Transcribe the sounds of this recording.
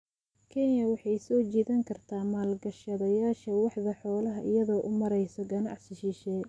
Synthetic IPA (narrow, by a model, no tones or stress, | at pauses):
kʰɛnjɐwɑħɑjsɔːt͡ʃiːðɐŋkʰɐrt̪ʰaːmaːlɡɐʃɐðɐjaːʃɐwɑħðɐħɔːlɐɦɐʔɪjɐðɔːʔʊmɐɾɛjsɔɡɐnɑ̰ʕsɪʃɪʃɛː